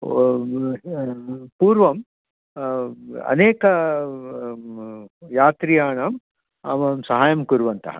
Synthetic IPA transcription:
puːɾʋɐm | ɐ̰neːkɐ | jaːt̪ɾijaːɳɐm | ɐ̰mɐmsɐɦaːjɐmkuɾʋɐnt̪ɐ̰ɦɐ̰

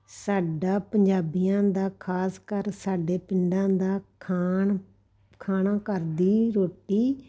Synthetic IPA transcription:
saːɖaːpəɲd͡ʒaːbɪjãːd̪aːkʰaːskəɾsaːɖeːpɪɳɖãːd̪aːkʰː | kʰaːnãːkəɾd̪iːɾoːʈiː

